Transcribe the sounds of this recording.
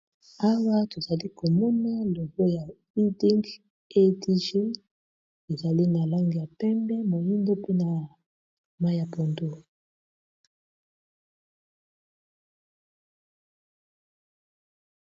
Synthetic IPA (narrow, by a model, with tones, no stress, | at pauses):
a˦wa˦to˨za˨li˦ko˨mɔ˦na˦lo˨bo˦ja˨ | i˦di˦ŋɡ | e˦di˦ʒi˦n | e˨za˨li˦na˨la˦ŋɡi˨ja˨pɛ˦mbɛ˦mo˨ji˦ndo˦pe˦na˨ | ma˦ja˨po˨ndo˦